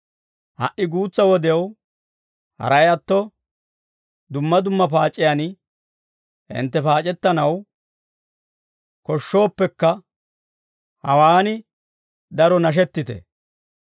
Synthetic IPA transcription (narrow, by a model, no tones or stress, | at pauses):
hɐ̰ʔɪɡuːt͡sːɐwɔd̪ɛɐw | hɐ̰ɾɐjɐt̪ːɔ | d̪ʊmːɐd̪ʊmːɐpaːt͡ʃʼɪjan | hɪ̰nt̪ːɛpaːt͡ʃʼɛt̪ːɐnɐw | kɔʃːo̞ːpːɛkːɐ | hɐwaːnɪ | d̪ɐɾɔnɐʃ̬ɛt̪ːɪt̪ɛ̰